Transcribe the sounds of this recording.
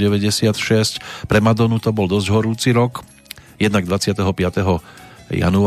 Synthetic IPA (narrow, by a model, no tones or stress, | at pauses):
ɟɛʋɛɟɛsɪat̪ʃɛscpɾɛmad̪ɔnut̪ɔbɔld̪ɔzɟɦɔɾuːt͡siɾɔk | jɛd̪naɡ̚d̪ʋat͡sɪat̪ɛɦɔpɪat̪ɛɦɔja̰nu